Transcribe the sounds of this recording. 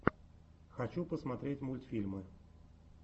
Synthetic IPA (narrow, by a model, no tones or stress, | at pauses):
xɐt͡ɕupəsmɐt̪ɾʲetʲmulʲt̪fʲilʲmɨ